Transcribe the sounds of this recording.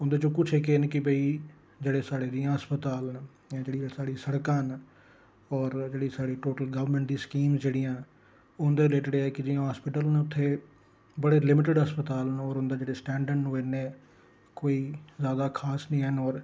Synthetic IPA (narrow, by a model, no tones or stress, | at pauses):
ʊ̃nd̪eːt͡ʃõːkʊt͡ʃʰeːkeːnkɪbəiː | d͡ʒeːɽeːsaːɽeːd̪ijãːɦəspət̪aːln | ãːd͡ʒeːɽiːsaːɽiːsəɽkãːn | ɔːɾd͡ʒeːɽiːsaːɽiːʈoːʈəlɡəʋɾmɛ̃ɳʈ̚d̪iːskiːmsd͡ʒeːɽijãː | ʊnd̪eːleːʈɪɖeɛːkɪd͡ʒɪãːɦaːspɪʈəlneːʊt̪ʰːeː | bəɽeːlɪmɪʈɪɖɦəspət̪aːlnɔːɾʊnd̪aːd͡ʒeːɽeːsʈɛːɳɖəɾɖnoːeːneː | koːiːzjaːd̪aːkʰaːsnĩːənɔːɾ